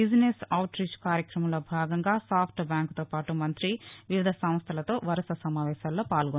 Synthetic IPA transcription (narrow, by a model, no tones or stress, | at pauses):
id͡ʒnesɐwʈɾit͡ʃkaːɾjɐkɾɐmɐmloːbʱaːɡɐŋɡaːsaːpʰʈbjaːŋkt̪oːpaːʈumɐnt̪ɾiʋiʋid̪ʱɐsɐm̃st̪ʰɐlɐt̪o̞ːʋɐɾɐsɐsɐmaːʋɛːʃaːlːo̞ːpaːlɡo